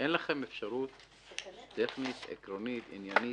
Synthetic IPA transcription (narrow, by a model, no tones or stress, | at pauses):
ʔenlaχe̞mefʃaɾut̪ | tːeχnit̪ḛkɾonit̪ḭnjani